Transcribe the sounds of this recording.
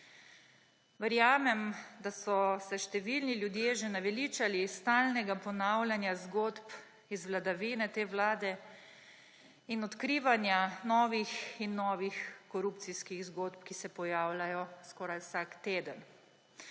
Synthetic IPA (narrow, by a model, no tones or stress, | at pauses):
ʋəɾjaːmɛmd̪asɔsɛʃt̪ɛʋilniljud̪jeːʒɛnaʋɛlit͡ʃalist̪aːlnɛɡapɔnawlʲjanjazɡot̪p | izʋlad̪aʋinɛt̪eːwlaːd̪ɛ | inɔt̪kɾiːʋanjanɔːʋixinːɔːʋixkɔɾup̚t̪siskiɣzɡot̪pkisɛpɔjaːwlʲajɔskɔːɾajwsakt̪eːd̪ən